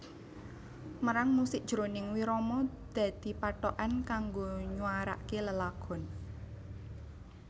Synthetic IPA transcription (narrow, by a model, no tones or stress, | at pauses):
məɾaŋmusɪʔ̚ʒ̥ɾonɪŋwiɾɔmɔd̪̥ä̤d̪̥i̤paʈɔʔankaŋɡoɲuaɾa̰ʔkeləlaɡ̥ɔ̤n